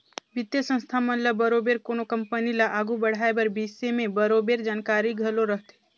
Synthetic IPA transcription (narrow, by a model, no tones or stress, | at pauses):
ʋɪt̪jəsə̃nst̪ʰamɐ̃nləbɐɾoːbeːɾkoːnokɐ̃mpənilaʔaːɡubɐɽ̤aebɐɾbiːsemẽbɐɾoːbeːɾd͡ʒaːnkaːɾiɡʱɐloɾəɦt̪ɛː